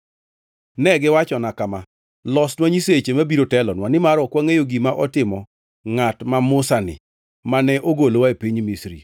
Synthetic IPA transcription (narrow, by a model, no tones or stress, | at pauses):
nɛɡɪwat͡ʃɔnakama | lɔsnwaɲiset͡ʃemabiɾotɛlɔnwanɪmaɾɔkwaŋejoɡimaʔɔtɪmɔ | ŋatmamʊsanɪ̰ | manɛʔoɡolowaepiɲmisɾḭ